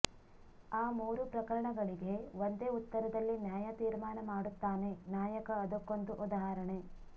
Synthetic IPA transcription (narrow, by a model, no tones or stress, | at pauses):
aːmuːɾupɾɐkɐɭɐɳɐɡɐɭiɡe̞ʋond̪e̞ːut̪ːɐɾɐd̪ɐlːinjaːjat̪iːɾmaːnɐmaːɽut̪ːaːne̞naːjɐkɐːd̪ukːond̪uʔud̪aɦaːɾɐɳe̞